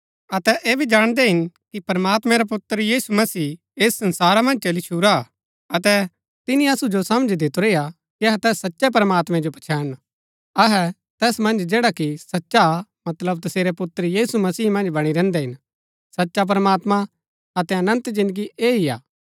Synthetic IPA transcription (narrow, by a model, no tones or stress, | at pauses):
ɐt̪ɛʔeːbʱid͡ʒaːɽ̃d̪ɛɦɪnkipɾɐmaːt̪mɛ̃ɾapʊt̪ːəɾjiːsumɐsiː | eːsːɐnsaːɾamɐ̃nd͡ʒt͡ʃɐlit͡ʃʰuɾa | ɐt̪ɛ | t̪ɪniɐsud͡ʒosɐmd͡ʒʱd̪ɪt̪oɾeːa | kiɐɦɛt̪ɛːsːɐtːʃɛp̬ɾəmaːt̪mɛ̃d͡ʒopɐt͡ʃʰɛːn | ɐɦɛ | t̪ɛːsmɐ̃nd͡ʒd͡ʒeːɽakisɐtːʃamɐt̪ləbt̪ɐseːɾɛpʊt̪ːəɾjiːsumɐsiːmɐ̃nd͡ʒbɐɽ̃iɾɛ̃ːnd̪ɛɦɪn | sɐtːʃap̬ɾəmaːt̪mã | ɐt̪ɛɐnə̃nt̪d͡ʒɪ̃nd̪əɡiʔeːɦia̰ː